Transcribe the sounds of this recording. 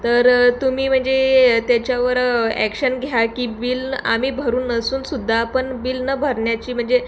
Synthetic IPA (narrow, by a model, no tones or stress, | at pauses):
t̪əɾt̪umiːm̤əɳd͡zet̪jat͡ɕjaʋəɾæ̰kɕənɡʱjakiːbila̰miːbʱəɾuːnəsuːnsud̪ʱːaːpəɳbilnəbʱəɾɳjat͡ɕiːm̤əɳd͡ze